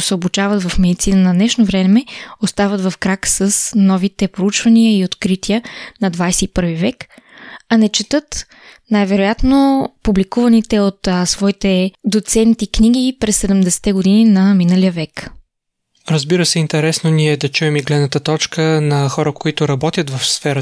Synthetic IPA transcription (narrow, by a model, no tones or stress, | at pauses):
sɛobʊt͡ʃavɐt̪vɐfmɛd̪it̪sinənɐd̪nɛʃnovɾɛmɛost̪avət̪vɐfkɾaksəsnɔvit̪ɛpɾout͡ʃvɐniəiot̪kɾit̪iənɐd̪vajsɛipɤɾvivɛkɐnɛt͡ʃɛt̪ɤt̪ | najvɛɾojat̪nopublikuvɐnit̪ɛot̪svɔit̪ɛd̪ot̪sɛnt̪ikniɡ̟ipɾɛsːɛd̪ɛmd̪ɛsɛ̥t̪ɛɡod̪ininɐminəlijəvɛk | ɾəzbiɾəsɛint̪ɛɾɛsnoniɛd̪ɐt͡ʃuɛmiɡlɛd̪nət̪ət̪ɔt͡ʃkənɐxɔɾəkoit̪ʊɾɐbɔt̪ʲjət̪vɐfsfɛɾə